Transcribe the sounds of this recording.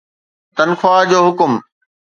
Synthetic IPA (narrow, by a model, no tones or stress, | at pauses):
t̪ɐnxʰʊaːd͡ʑoːɦʊkʊm